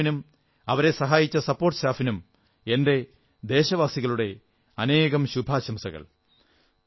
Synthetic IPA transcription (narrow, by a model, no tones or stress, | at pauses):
num | ɐʋɐɾe̞sɐɦaːjit͡ɕːɐsɐpːoːrʈːɨ̥ɕaːfinum | e̞nde̞ | d̪e̞ːɕɐʋaːsiɣɐɭuɽe̞ | ɐne̞ːɣɐmɕubʱaːɕɐmsɐɣɐ̰ɭ